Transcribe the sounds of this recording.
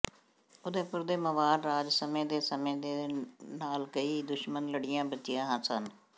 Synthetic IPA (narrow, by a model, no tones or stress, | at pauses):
ʊd̪eːpʊɾd̪eːməʋaːɖɾaːd͡ʒsəmẽːd̪eːsəmẽːd̪eːnaːlkəiːd̪ʊʃmənləɽɪjãːbət͡ʃːɪjãːɦãːsən